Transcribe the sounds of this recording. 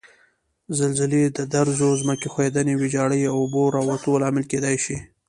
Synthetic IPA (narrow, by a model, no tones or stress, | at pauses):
zalzɪled̪əd̪aɾzozməkexwed̪anewɪd͡ʒɑɽəjawʊboɾɑwat̪olɑmɪlked̪ɑjʃi